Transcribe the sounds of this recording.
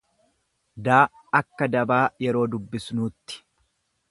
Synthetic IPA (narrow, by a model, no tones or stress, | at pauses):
d̪aː | ɐkːɐd̪ɐbaːjɛɾo̞ːd̪ʊbːɪsnuːt̪ːɪ̥